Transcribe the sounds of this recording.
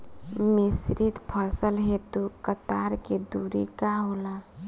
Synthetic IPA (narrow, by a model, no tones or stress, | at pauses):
misɾit̪pʰəsəlɦet̪ukət̪aɾked̪uɾḭkaɦola